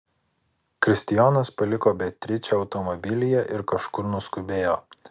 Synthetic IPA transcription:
kɾʲɪsʲt̪ʲɪjɔːnɐspɐlʲɪkoːbʲɛt̪ʲɾʲɪt͡ʃʲɛɒʊt̪ɔmɔbʲɪlʲɪjɛʔɪɾkɐʃkʊɾnʊskʊbʲeːjoː

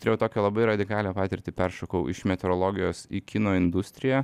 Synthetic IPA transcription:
t̪ɾʲɛʊt̪oːkʲɛlˠɐbɐɪɾɐd̪ʲɪkɑːlʲepɑːt̪ʲɪɾʲt̪ʲiːpʲɛɾʃokɐʊʔɪ̰ʃmʲɛt̪ʲɛɾoːlˠoːɡʲɪjoːsiːkʲinoːɪnd̪ʊsʲt̪ʲɾʲɪjæ

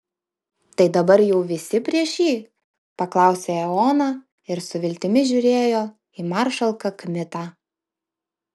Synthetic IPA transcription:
t̪ɐɪd̪ɐbɐɾjɛʊʋʲɪsʲɪpʲɾʲiɛʃʲjiː | pɐklˠɑˑʊsʲeːɛoːnɑː | ɪɾsʊʋʲɪlʲt̪ʲɪmʲɪʒʲʊːɾʲeːjoː | iːmɑɾʃɐlˠkɐkmʲɪt̪ɑː

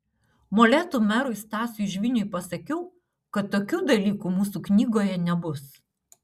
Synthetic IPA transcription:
moːlʲæːt̪uːmʲɛɾʊɪst̪ɑːsʲʊɪʃʲʋʲɪnʲʊjpɐsɐkʲɛʊ | kɐt̪ːoːkʲuːd̪ɐlʲiːkuːmuːsuːknʲiːɡoːjɛnʲɛbʊs

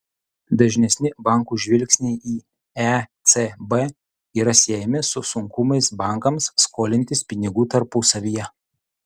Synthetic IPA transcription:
d̪ɐʒʲnʲɛsʲnʲɪbɑˑŋˑkuːʒʲʋʲɪlʲksʲnʲɛɪʔiː | æt̪sʲebɛ | iːɾɐsʲeːjɛmʲɪsʊsʊŋkʊmɐɪsbɑˑŋˑkɐmsːkoːlʲɪnʲt̪ʲɪspʲɪnʲɪɡuːt̪ɐɾpʊsɐʋʲijɛ

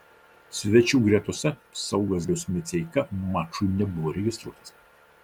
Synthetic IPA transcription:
sʲʋʲɛt͡ʃʲuːɡɾʲiɛt̪uɔsʲɛsɐʊɡɐs̬ʲʊsmʲɪt̪sʲɛɪkɐmɑːt͡ʃʊnʲɛbʊʋoːɾʲɛɡʲɪst̪ɾuɔt̪ɐ̥s

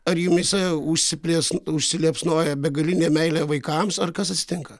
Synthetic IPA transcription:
ɐɾjuːmʲisʲɛʊʃʲsʲɪpʲlʲiɛsʊʃʲsʲɪlʲiɛpsnoːjɛbʲɛɡɐlʲɪnʲeːmʲɛɪlʲæːʋɐɪkɐmsɐrkɐsɐt̪ʲsʲɪ̥t̪ʲɪŋkɐ

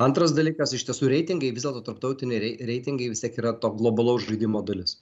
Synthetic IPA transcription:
ɐnt̪ɾɐsd̪ɐlʲiːkɐsɪʃʲt̪ʲiɛsuːɾʲɛɪt̪ʲɪŋɡɐɪʋʲɪzʲdʲɛlˠt̪oːt̪ɐɾp̚t̪ɐʊt̪ʲɪnʲɛɪɾʲɛɪɾʲɛɪt̪ʲɪŋɡɐɪʋʲɪsʲt̪ʲiɛkiːɾɐt̪oːɡlˠobɐlˠɐʊsʒɐɪd̪ʲimoːd̪ɐlʲɪs

